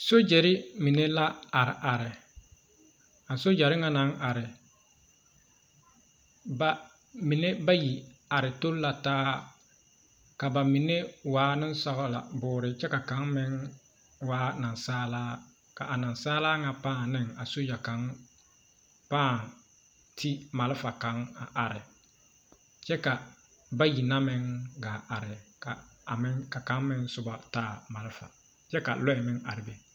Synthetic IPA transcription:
so˦d͡ʒɛ˨ɾɪ˦mi˨ne˦la˦a˨ɾɪ˨ʔa˨ɾɪ˨ | a˨so˦d͡ʒa˨ɾɪ˦ŋa˦na˨˦ŋʔa˨ɾɪ˨ | ba˨ | mi˨ne˦ba˦ji˨a˨ɾɪ˨to˦lla˨taː˦ | ka˨ba˨mi˨ne˦waː˨˦nɪ˦n˦sɔ˦ɣla̰˨bʊː˨ɾɪ˨t͡ʃɛ˦ka˨ka˨˦ŋmɪ˦ŋ | waː˦na˨nsaː˦laː˦ | ka˨ʔa˨na˨nsaː˦laː˦ŋa˨pãː˦˨nɪ˦ŋa˨so˦ja˨ka˨˦ŋ | paː˦˨ | ti˦ma˨lɪ˦fa˨ka˨˦ŋa˨ʔa˨ɾɪ˨ | t͡ʃɛ˦ka˨ | ba˦ji˨na˦mɪ˦ŋɡaː˨ʔa˨ɾɪ˨ka˨a˨mɪ˦ŋka˨ka˨˦ŋmɪ˦ŋsʊ˦ba˨taː˦˨ma˨lɪ˦fa̰˨ | t͡ʃɛ˦ka̰˨lɔ˦ɪ˨mɪ˦ŋa˨ɾɪ˨be˨

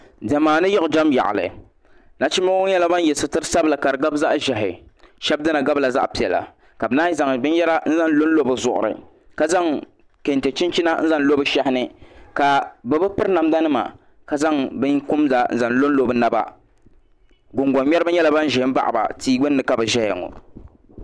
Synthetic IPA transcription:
dɛ˨maː˨nɨ˦jɪ˦ʊ˨d͡ʒa˦mja̰˨ʔɪ̰˨lɨ̰˨ | na˦t͡ʃi˦ma˦ɲɛ˦la˦ba˦n˦jɛ˨sɨ˨tɨ˦ɾɨ˦sa˦bla˨ka˨ɾɨ˨ɡa˦bza˦ʔʒɛ˨ɦɪ̰˨ʃɛ˦b̚dɨ˦na˨ɡa˦bla˨za̰˦ʔpi˨ɛ˨la̰˨ | ka˨bɨ˦naː˦za˨ŋbɨ˦njɛ˦la˦n̩˦za˦nlo˦n̩˦lo˦bɨ˨zʊ˨ʔʊ̰˨ɾɨ̰˨ | ka˨za˦ŋ | ke˨nte˨t͡ʃi˦nt͡ʃi˦na˦n̩˦za˦n˦lo˦bɨ˦ʃɛ˦hɪ˦nɨ˦ka˨bɨ˨bɨ˦pɨ˦ɾna˨m˦da˦nɨ˦ma̰˨ | ka˨za˦ŋbɨ˦ŋku˦mza˨˦n̩˦za˨n˦lo˦n˦lo˨bɨ˦na˦ba̰˦ | ɡʊ˨ŋɡɔ˨ɲɲɛ˦ɾɨ˦bɨ˦ɲɛ˦la˨ba˦n˦ʒɛ˨hɪ˦ba̰˦ʔba̰˨tiː˦ɡ͡bɨ˦nːɨ˨ka˨bɨ˨ʒɛ˦jɛ̰˨ŋɔ̰˨

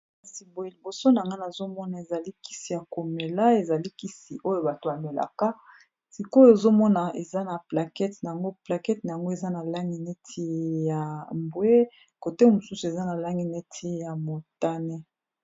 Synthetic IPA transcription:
a˨si˨bo˨je˨li˨bo˨so˦na˨ŋɡa˦na˨zo˦mɔ˦na˨e˨za˨li˦ki̥˦si˨ja˨ko˨me˨la˦e˨za˨li˦ki˦si˨ʔo˦jo˨ba˨to˨ba˨me˨la̰˨ka˦ | si˨ko˦jo˦e˨zo˦mɔ˦na˨ʔe˨za˦na˨pla˨kɛ˦tna˨a˨ŋɡo˦pla˨kɛ˦tna˨ja˨ŋɡo˦e˨za˦na˨la˦ŋɡi˦ne˦tʰi˦ja˨mbwe˦ | ko˨te˦mo˨su˦su˨e˨za˦na˨la˦ŋɡi˦ne˦tʰi˦ja˨mo˨ta˦ne˦

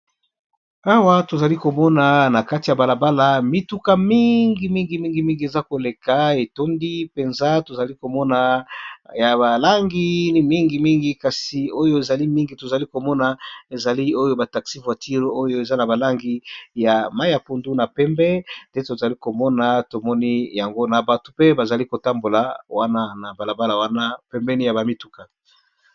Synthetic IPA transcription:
a˦wa˦to˨za˨li˦ko˨mɔ˦na˨na˨ka˦ti˨ja˨ba˨la˨ba˦la˨mi˨˦tu˦ka˦mi˦ŋɡi˨mi˦ŋɡi˨mi˦ŋɡi˨mi˦ŋɡi˨e˨za˦ko˨le˨ka˨e˨to˦ndi˦pe˨nza˦to˨za˨li˦ko˨mɔ˦na˨ja˨ba˨la˦ŋɡi˦mi˦ŋɡi˨mi˦ŋɡi˨ka˨si˨o˦jo˦e˨za˨li˦mi˦ŋɡi˨to˨za˨li˦ko˨mɔ˦na˨e˨za˨li˦o˦jo˦ba˨ta˨ksi˦vwa˨ti˦ʁo˦jo˦e˨za˦na˨ba˨la˦ŋɡi˦ja˨ma˦ja˨po˨ndu˦na˨pɛ˦mbɛ˦nde˦to˨za˨li˦ko˨mɔ˦na˨to˨mɔ˦ni˦ja˨ŋɡo˦na˨ba˨tu̥˨pe˦ba˨za˨li˦ko˨ta˦mbo˨la˨wa˦na˦na˨ba˨la˨ba˦la˨wa˦na˦pɛ˦mbɛ˦ni˦ja˨ba˨mi˦tu˦ka˨

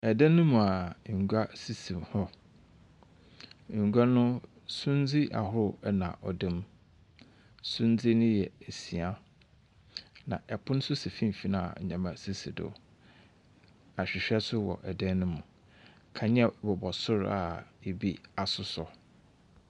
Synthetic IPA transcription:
ɛ˨dɛ̃˦nːʊ̃˦mũ˨a˨ŋ̩˨ɡʷa˦si˦si˨mhɔ˦ | ŋ̩˨ɡa˦nʊ̃˦ | sũ˦n˦d͡zi˦ʔa̰˨hʊ˦ɾʊ˦ɛ˦nã̰˨ʔɔ̰˨dẽ˦m | sʊ̃˦n˦d͡zi˦nʊ̃˦jɛ˨æ˨si˨a˦ | nã̰˨ʔɛ˨pʰʊ˦ñ˦sʊ˦si˨fĩ˦m˨fi˦nã˨a̰˨ɲã˨mã˦si˦si˨dʊ̰˦ | a˨ɕᶣɪ˨ɕᶣɛ˦sʊ˦wɔ̰˨ʔɛ˨dɛ̃˦nːʊ̃˦mũ˨ | kʰã˨ɲɛ̃˦bɔ˨bɔ˨sʊ˦ɾa̰˨e˨bi˦a˨sʊ˨˦sɔ˨

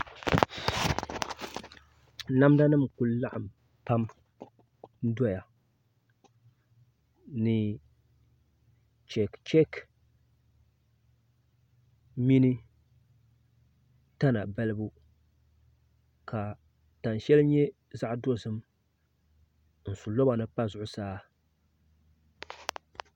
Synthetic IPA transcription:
na˦mda˦nɨ˦˨mku˨lla˦ʔa˨m | pa˦m | n̩˦dɔ˦ja˨ | nɨ˨ | t͡ʃɛ˨kt͡ʃɛ˦k | mi˦nɨ˦ | ta˦na˨bɛ˦lɨ˦bu˦ | ka˨ | ta˨nʃɛ˦lɨ˦ɲɛ˦ | za˦ʔdo˦zɨ˦m | n̩˨su˨lo˦ba˨nɨ˦pa˦zʊ˨ʔʊ˦saː˦

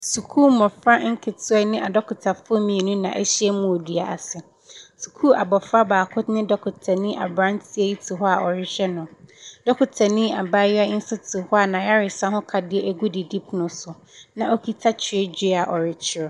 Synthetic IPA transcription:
su˨kʰuː˦mɔ̃˨fɾa˦ŋ̩˦kʰɪ˨tʰʊ˦ɛ˦nɪ̃˦ʔa˨dɔ˦kʰʊ˨tʰa˨fʊ˦ɔ˦mĩ˨e˨nũ˦nã̰˨ʔɛ̰˦ɕi˦ɛ˦mũ˨o˨di˨a˨ʔa˨sɛ˨ | su̥˨kʰu˦a˨bɔ˨fɾa˦baː˨kʰʊ˦tnɪ̃˦dɔ˦kʰʊ˨tʰa˨nĩ˦ʔa̰˨bɾã˦n˦tʰɪ˦e˦ji˦tʰʊ˨ɦɔ˦a˨ʔɔ˨ɾɪ˦ʃɛ˦nʊ̃˨dɔ˦kʰʊ˨tʰa˨nĩ˦a˨ba˦ja˦ɪ˦n̩˦sʊ˦tʰʊ˨hɔ˦a˨nã˨ja˦ɾɪ˨sã˦hʊ̃˦kʰa˨dɪ˦ɛ˦ʔæ˨ɡu˦di˨di˦pnʊ̃˦sʊ˨ | nã˨ʔo˦kʰi˦tʰa˦t͡ɕʰɪ˨e˦d͡ʑᶣi˦˨a˨ʔɔ˨ɾɪ˨t͡ɕʰɪ˦ɾɔ˨

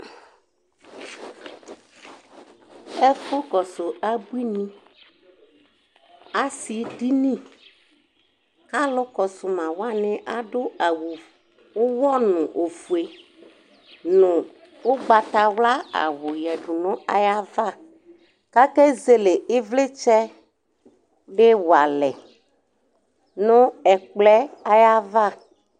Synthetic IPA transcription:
ɛ˦fʊ˦kɔ˨so˨a˦bu˦i˦nĩ˦ | a˦si˨ɖi˦nĩ˦ | ka˦lʊ˦kɔ˨sʊ˨mã˨wa˦nɪ̃˦ʔa˦ɖo˦a˨wu˨ | wo˦wɔ˦nʊ̃˨ʔo˨fu˨e˨ | nũ˨ | wo˦ɡ͡ba˨t̪a˨wla˦a̰˨wo˨jɛ˨ɖu˨nɔ̃˦a˨ja˦va˦˨ | ka˦kɛ˦ze˦le˨e˦vle˦t͡ʃɛ˦ | ɖe˦wa˨lɛ˨ | nõ˦ɛ˨k͡plɛ˦a˦ja˦va˦

